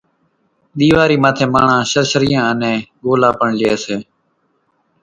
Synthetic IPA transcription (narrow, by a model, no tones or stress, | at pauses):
ɗ̪iːʋaːɾiːmaːt̪ʰẽːmaːɳãːʃəɾʃəɾɪjãːənẽːɠoːlaːpəɳlɪeːseː